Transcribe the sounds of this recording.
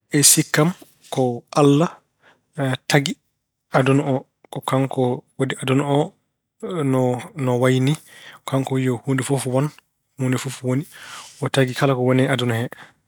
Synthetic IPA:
ʔɛsikːam | kɔʔalːa | tʰaɡi | ʔadunɔɔ | kɔkaŋkɔwodiʔadunɔ | nɔnɔwajnikaŋkɔijɔhundifofwan | hundifufwoniʔɔtaɡikalakɔwɔnɛadunɔhɛ

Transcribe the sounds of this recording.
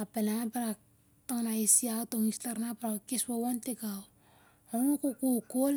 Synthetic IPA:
apenapaɾa | toŋnaisiaotoŋistaɾnapaɾakeswowantekaw | onokokokol

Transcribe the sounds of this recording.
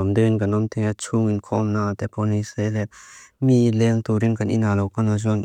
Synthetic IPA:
ɔmdɯnkanɔmt̪ʰɛŋat͡ʃʰuŋinkʰɔmnat̪ɛpʰɔniselɛmilɛŋt̪uɾiŋkʰanḭnalɔwkanazɔn

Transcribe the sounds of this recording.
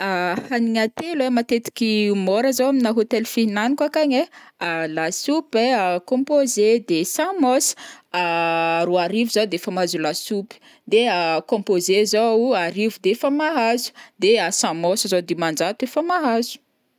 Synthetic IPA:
ahaniɲat̪elemat̪et̪i̥kʲimoɾəzowaminaɦot̪elfinanikwakaɲealasupeakɔ̃mpozed̪esãmosə̥aɾuaɾivuzad̪efamazulasupi̥ | d̪eakɔ̃mpozezoaɾivud̪efəmaɦazu̥d̪easãmosəzod̪emand͡ʒat̪efamaɦazu̥

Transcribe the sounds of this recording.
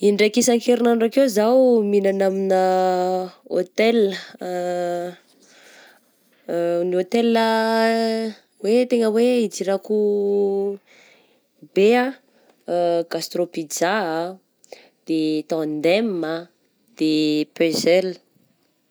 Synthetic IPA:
iɳɖ͡ʐekisaŋkeɾinaɳrakewzawminanaminə | ot̪ɛlə | niot̪elə | wet̪eŋəweid͡ziɾaku | bea | ɡ̥ast̪ropid͡za | d̪̥et̪ãnd̪emːa | d̪̥epøzɛlə

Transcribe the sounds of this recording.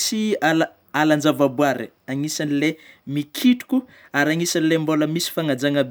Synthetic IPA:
siala | aland͡ʒavabuaɾḛ | aŋisanilemikʰiʈ͡ʂu̥kʲu | aɾaŋisanilemboləmisi̥faŋad͡zaŋab

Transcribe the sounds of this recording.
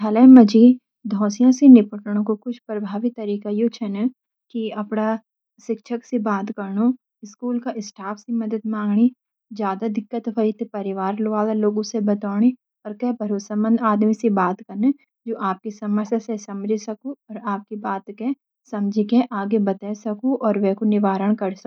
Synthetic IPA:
ɦʰɐlɛmɐd͡ʒiː | d̪ʱɔ̃ːsijãsenɪpəʈəɽ̃õkokʊt͡ʃʰpɾɐbʱaːʋit̪ːɐɾiːkajot͡ʃʰɛnɛ | kiɐpna | ʃɪkʃʰəksebaːt̪kɐɾno | ɪskuːlkaʔɪsʈʰaːfʰsimɐd̪əd̪mãːŋɡɽ̃i | d͡ʒjaːd̪ad̪ɪkːət̪ɦɐit̪epɐɾɪʋaːɾlʋaːlaloːɡõsebɐt̪aːɽ̃i | ɔːɾkɛːbʱɐɾoːsamə̃nd̪aːd̪misebaːt̪kɐɾne | d͡ʒoːʔaːp̚kisɐməɾsjasesɐmd͡ʒʱsɐkoɔːɾaːp̚kibaːt̪ke | sɐ̃md͡ʒʱikeʔaːɡebɐt̪ɛsɐkuʔɔːɾʋɛːkonɪʋaːɾəɽ̃kɐɾsɐk

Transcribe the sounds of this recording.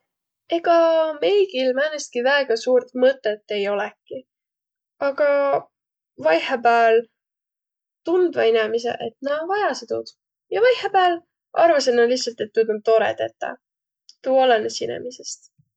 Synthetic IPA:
e̞ɡ̥ɑme̞jɡilmæːnest̪̚kivæeɡ̥ɑsuːrt̪mɤt̪ːˑet̪ːe̞jo̞lɛkːˑi | ɑɡ̥ɑ | vɑjhepæːl | t̪und̪̥vɑinemise̞̰ʔet̪nɑvɑjɑset̪ud̪̥ | jɑvɑjhepæːl | ʔɑ̰rvɑsenːɑliçsɑlt̪e̞t̪ːud̪ont̪o̞ɾḛd̪ḛt̪ːɑ̰ | t̪ːuːolenesinḛmise̞st̪

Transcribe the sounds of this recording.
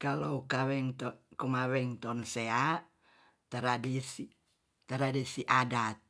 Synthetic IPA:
kaloukawɛŋt̪kumawɛŋt̪ɔnsea | t̪aɾadisi | t̪aɾadisiʔadat̪̚

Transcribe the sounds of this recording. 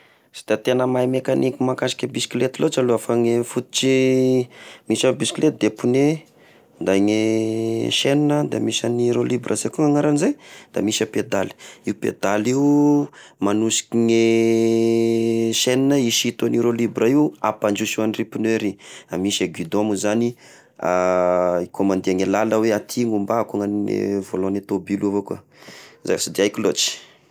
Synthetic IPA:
si̥t̪at̪enəmaimekanikimakasi̥kʲəbiskilet̪ilot͡ʃaluafaŋefut̪u̥t͡ʃi | misabisi̥kilet̪̚d̪epune | nd̪ajŋe | ʃeninəd̪a̰misaniɾolibrəzekʲuŋaŋaɾanized̪̥a̰misəped̪ali̥iupḛd̪aliu | manusi̥kiŋe | ʃeninəiʃit̪aniɾolibɾaiuapand͡ʒusuanripineɾiamisaɡwid̪omuzani | aikʰomand̪iaŋelaləweat̪ʰiŋumbakuŋannḛvolonet̪obiluavoka̰ | za̰̥sad̪iajkilot͡ʃi̥

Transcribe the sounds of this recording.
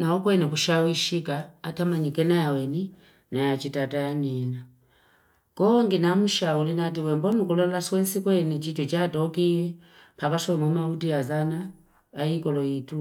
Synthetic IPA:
naɔkwɛnɛkuʃawiʃikaːtamaɲikɛnajawɛni | najat͡ʃitataaniɛna | kɔŋɡinamuʃaulinatiwɛmbɔnukulɔlaswɛnsikwɛnɛt͡ʃid͡ʒɔt͡ʃatɔkiɛ | pakasɔɛmumautiazana | ajikɔlɔitu

